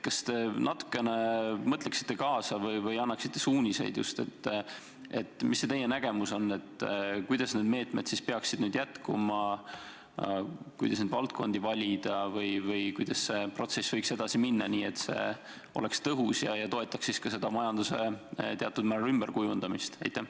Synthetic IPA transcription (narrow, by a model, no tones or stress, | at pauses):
kɑst̪e̞nɑt̪ːu̥kːˑe̞nemɤt̪leksi̥t̪ːe̞kɑːsɑvɤjvɤjɑnːɑksi̥t̪ːe̞suːnʲise̞̰jd̪̥jṵst̪e̞̰t̪ː | ḛt̪ːˑmisːet̪e̞jːenæɡ̥e̞muso̞nːe̞t̪ːkujd̪̥ɑsneːd̪me̞ːt̪med̪̥sispeɑksid̪̥nyːd̪̥jæt̪kumɑ | kujd̪ɑsneːd̪vɑlt̪̚ko̞̰nʲd̪ivɑlʲid̪̥ɑvɯjvɯjkujd̪̥ɑsse̞pro̞t̪se̞svɤjkse̞d̪̥ɑsiminːɑniːe̞t̪se̞̰ | o̞̰le̞kst̪ɤɦusjɑjɑt̪o̞e̞t̪ːˑɑksːiskɑse̞d̪̥ɑmɑjɑnd̪use̞̰t̪eɑt̪ːˑud̪̥mæɾymb̥erkujund̪̥ɑmist̪ɑjt̪ːˑæ